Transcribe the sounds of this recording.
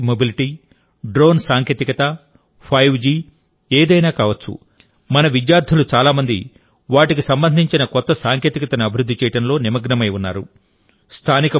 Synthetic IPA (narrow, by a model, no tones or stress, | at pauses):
mobiliʈiː | ɖɾo̞ːnsaːŋkjeːt̪ikɐt̪ɐ | pʰɐjwd͡ʒiː | eːd̪ɐjnaːkaːʋɐt͡ʃːṵ | mɐnɐʋid͡ʒjaːɾt̪ʰulut͡ʃaːlaːmɐnd̪ḭ | ʋaːʈikisɐmbɐnd̪ʱiɲt͡ʃinɐkɔt̪ːɐsaːŋkjeːt̪ikɐt̪ɐniɐbʱiɾud̪ʱːit͡ʃɛːjɐʈɐnlo̞ːnimɐɡnɐmɐjunːaːɾu | st̪ʰaːnikɐ